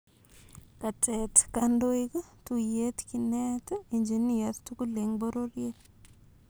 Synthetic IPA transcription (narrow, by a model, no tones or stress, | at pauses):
katʰɛtkandoikətujetkinɛtiɲd͡ʒinijattukuleŋboɾoɾje